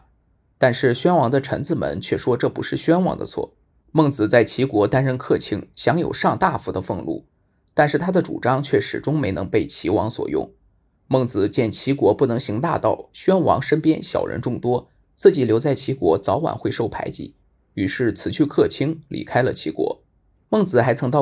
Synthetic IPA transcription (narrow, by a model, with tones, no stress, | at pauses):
t̪a˥˧nʂɻ̩˥˩ɕɥɛ˥nwɑ˧˥ŋd̪ə˧ʈ͡ʂʰə̰˧˥nt͡sɹ̩˥˩mə̰˧˥nt͡ɕʰɥɛ˥˩ʂwɔ˥ʈ͡ʂɤ˥˩pu˧˥ʂɻ̩˥˩ɕɥɛ˥nwɑ̰˧˥ŋd̪ə̰˧t͡sʰwɔ̰˥˩ | mɤ˥˩ŋt͡sɹ̩˨˩t͡sa˥˩ɪt͡ɕʰi˧˥kwɔ˧˥t̪a˥nɻə˥nkʰɤ˥˩t͡ɕʰi˥ŋɕjɑ˧˥ŋjo̰˨˩ʊʂɑ˥˧ŋt̪a˥˩fu˧˥d̪ə˧fɤ˥˧ŋlṵ˥˩ | t̪a˥˧nʂɻ̩˥˩t̪ʰa˥d̪ə˨ʈ͡ʂṵ˨˩ʈ͡ʂɑ˥ŋt͡ɕʰɥɛ˥˩ʂɻ̩˨˩ʈ͡ʂʊ˥ŋme˧˥ɪnɤ̰˧˥ŋpe˥˩ɪt͡ɕʰi˧˥wɑ̰˧˥ŋswɔ̰˨˩jʊ̰˥˩ŋ | mɤ˥˩ŋt͡sɹ̩˨˩t͡ɕjɛ˥˩nt͡ɕʰi˧˥kwɔ˧˥pu˥˩nɤ˧˥ŋɕi˧˥ŋt̪a̰˥˧t̪ɑ˥˩ʊɕɥɛ˥nwɑ̰˧˥ŋʂə˥npjɛ˥nɕjɑ̰˨˩ʊɻə̰˧˥nʈ͡ʂʊ˥˩ŋt̪wɔ˥ | t͡sɹ̩˥˩t͡ɕi˧˩ljo˧˥ʊt͡sa˥˩ɪt͡ɕʰi˧˥kwɔ˧˥t͡sɑ˧˥ʊwa̰˨˩nxwe˥˧ɪʂo˥˩ʊpʰa̰˧˥ɪt͡ɕḭ˧˩˦ | y˧˩ʂɻ̩˥˩t͡sʰɹ̩˨˩t͡ɕʰy˥˧kʰɤ˥˩t͡ɕʰi˥ŋlḭ˨˩kʰa˥ɪlə̰˨t͡ɕʰi˧˥kwɔ̰˧˥ | mɤ˥˩ŋt͡sɹ̩˨˩xa˧˥ɪt͡sʰɤ˧˥ŋt̪ɑ˥˧